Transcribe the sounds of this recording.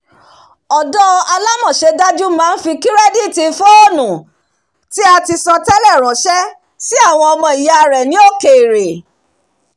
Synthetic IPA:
ɔ˨dɔ˦a˧la˦mɔ̃˦˨ʃe˧da˦d͡ʒu˦mãː˦˧n̩˦fi˧ki˦ɾɛ˦di˦˨ti˧fo˦o˦˨nũ˨ | ti˦a˧ti˧sɔ˧tɛ˦lɛ˦˨ɾɔ̃˨˦ʃɛ˦ | si˦a˦˨w̃ɔ̃˧ɔ˧mɔ̃˧˨i˨ja˦a˧ɾɛ˨nĩ˨˦o˦˨ke˨ɾe˨

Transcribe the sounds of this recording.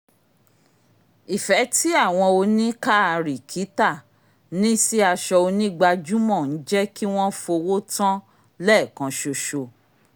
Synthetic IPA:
i˨fɛ˨˦ti˦a˦˨w̃ɔ̃˧o˧nĩ˦ka˦a˧ɾi˨kʰi˨˦ta˦˨ | nĩ˦si˦a˧ʃɔ˧o˧nĩ˦˨ɡ͡ba˧d͡ʒu˦mɔ̃˦˨n̩˦d͡ʒɛ˦ki˦w̃ɔ̃˦fo˧wo˦tã˦ | lɛ˦˨kã˧ʃo˧ʃo˧

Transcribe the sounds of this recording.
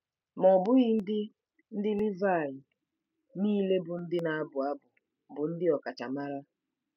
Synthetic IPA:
mɔ˨bʊ˦ɣɪ˦n̩˦dɪ˦ | n̩˦dɪ˦li˦va˦˨ɾɪ˨ | niː˦le˦bʊ˨n̩˦dɪ˦na˨a˦bʊ˨a˦bʊ˨ | bʊ˨n̩˦dɪ˦ɔ˨ka˨t͡ʃa˨ma˦ɾa˦

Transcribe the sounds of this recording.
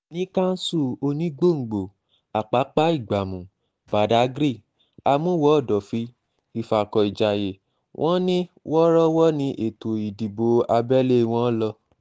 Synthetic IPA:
nĩ˦kã˦n̩˦su˦˨o˧nĩ˦ɡ͡bo˦˨ŋ͡m̩˨ɡ͡bo˨ | a˨k͡pa˨˦k͡pa˦i˦˨ɡ͡ba˨mũ˨ | b̥a˨da˨˦ɡɾi˦˨ | a˧mũ˦˨wɔ˨˦˨dɔ˨fi˧ | i˨fa˨kɔ˨i˨d͡ʒa˨je˨ | wʔɔ̃˦nĩ˦wʔɔ˦ɾɔ˦wɔ˦nĩ˧˦ʔe˨to˨i˨di˨bo˨a˧bɛ˦le˦˧w̃ɔ̃˦lɔ˧

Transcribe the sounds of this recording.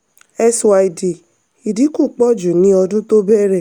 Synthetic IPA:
ɛ˦sa˧i˧di˨ | i˨di˨˦ku˦˨k͡pɔ˦˨d͡ʒu˨nĩ˦ɔ˧dũ˦to˦bɛ˦˨ɾɛ˦˨

